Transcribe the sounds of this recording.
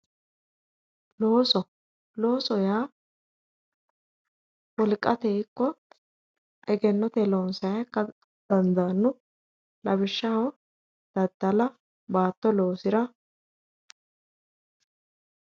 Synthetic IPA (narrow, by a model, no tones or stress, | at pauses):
lo̞ːsɔ | lo̞ːsɔjaː | wɔlkʼːɐt̪eːkːɔ | ʔɛɡɛnːɔt̪ɛlo̞ːnsɐjɐkːɐ | d̪̥ɐnd̪ɐnːʊ | lɐbɪʃːɐhɐw | d̪̥ɐd̪ːɐlɐ | baːt̪ːɔlo̞ːsɪɾɐ